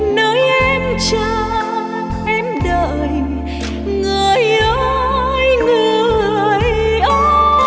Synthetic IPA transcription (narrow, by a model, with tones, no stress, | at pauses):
nəː˨˦jʔɛ˧mt͡ɕə˧ | ʔɛ˧mɗə˧˨ | j | ŋɨ˨˩əjʔəː˨˦jŋu˧˩˨ | jʔə˧˦